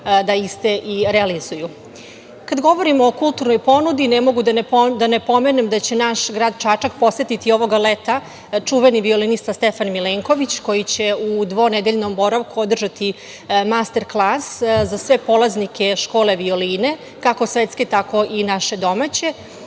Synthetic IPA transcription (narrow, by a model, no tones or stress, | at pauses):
d̪aist̪eʔiɾealizuju | kad̪ɡo̞ʋoɾimːkulˠt̪uɾnojpo̞nud̪inemo̞ɡud̪ad̪anepo̞menemd̪at͡ɕe̞naʃɡɾaːd̪t͡ʃat͡ʂak̚po̞se̞t̪it̪io̞ʋo̞ɡalet̪a | t͡ʂuʋeniʋio̞linist̪ast̪efanmileːŋko̞ʋit͡ɕko̞jit͡ɕe̞ud̪ʋo̞ned̪eʎno̞mbo̞ɾaʋkuo̞d̪r̩ʒat̪i | mast̪e̞ɾklˠaszasʋe̞po̞lˠaznikʰe̞ʃko̞ːle̞ʋioliːne̞ | kako̞sʋet̪ske̞t̪ako̞ʔinaʃe̞d̪o̞mat͡ɕe̞